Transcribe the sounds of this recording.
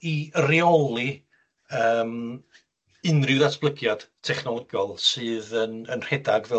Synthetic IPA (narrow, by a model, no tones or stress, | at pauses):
iəriɔlˠi | əːm | ɨnrɪwðatʰb̥lˠəɡjad̥tʰɛχnɔlˠəɡjɔlˠsɨːðənənr̥ɛdaɡvɛ